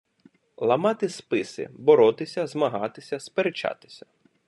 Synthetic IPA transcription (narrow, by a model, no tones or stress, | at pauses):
lˠɐmɑt̪ɪspɪsɪ̰bɔɾɔt̪ɪsʲɐzmɐɦɑt̪ɪsʲɐspeɾet͡ʃɑ̰t̪ɪ̥sʲɐ̥